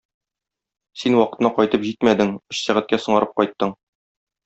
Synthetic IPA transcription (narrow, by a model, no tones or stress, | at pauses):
sinwɒqɤ̥̆t̪nɑqɒjt̪ɤpʑit̪mæd̪ɘŋɵ̆ɕsæʁæt̪̚kæsɤ̆ɴɑɾɤp̚qɒjt̪ːɤɴ